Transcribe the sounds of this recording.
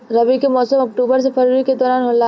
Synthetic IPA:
ɾɐʋikemɔːsəmɐk̚ʈuːbəɾs̬epɐɾiɾiked̪ɔːɾaːnɦola

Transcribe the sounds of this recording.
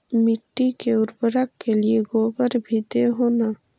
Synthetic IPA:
mɪʈːikeʊɾbəɾəkːelieɡoːɡəɾbʱid̪eɦoːna

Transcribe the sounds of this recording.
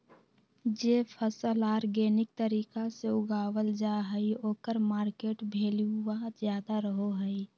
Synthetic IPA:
d͡ʒeːpʰəsəlaːɾɡeːnɪk̚t̪əɾiːkaseʊɡaːwəld͡ʒaɦəioːkəɾmaːɾkeːʈbʱeːliuʋəɦət̪d͡ʒjaːd̪aɾəɦoɦəi

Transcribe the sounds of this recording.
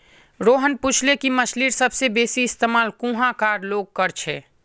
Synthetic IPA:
ɾoːɦənpuːt͡ʃʰlekiməʃliːɾsɐbsebeːsiɪst̪eːmaːlkũːɦãkaːɾloːɡ̚kəɾt͡ʃʰɛː

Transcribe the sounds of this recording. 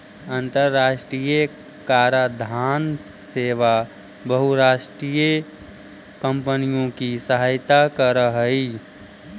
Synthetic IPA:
ənt̪əɾːaːʃʈɾijə | kaːɾad̪ʱaːn | seːʋa | bəɦuɾaːʃʈɾijə | kə̃mpənijõkisəɦaːjt̪akəɾəɦəi

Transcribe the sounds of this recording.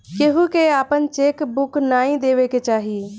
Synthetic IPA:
keɦukeaːpənt͡ʃeːkbʊknaːĩd̪eːʋeket͡ʃaːɦie

